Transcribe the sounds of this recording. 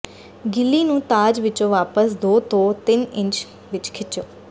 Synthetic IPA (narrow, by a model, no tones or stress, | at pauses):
ɡɪlːiːnũːt̪aːd͡ʒʋɪt͡ʃõːʋaːpəsd̪oːt̪oːt̪ɪnɪ̃ɲt͡ʃ | ʋɪt͡ʃkʰɪtt͡ʃjoː